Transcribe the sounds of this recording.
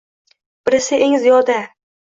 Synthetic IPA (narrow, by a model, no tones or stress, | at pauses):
b̥ɪɾɪsɪʔeŋzijɒd̪a